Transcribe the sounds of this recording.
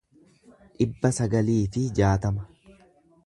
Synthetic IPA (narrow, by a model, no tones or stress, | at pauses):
ᶑɪbːɐsɐɡɐliːfɪd͡ʒaːt̪ɐmɐ